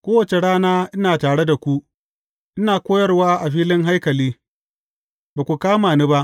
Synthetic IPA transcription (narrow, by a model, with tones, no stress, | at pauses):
kʷoː˦wɐ˨t͡ʃe˨ɽaː˦naː˦ʔɪ˦naː˨taː˨ɽe˦da˨kʷu˦ʔ | ʔɪ˦naː˨kʷoː˦jɐ˦rwaː˦ʔa˨ɸiː˦lɪ˦ŋɦa˦jkɐ˨liː˦ | baː˨kʷu˨kaː˦maː˨nu˦ba˦ʔ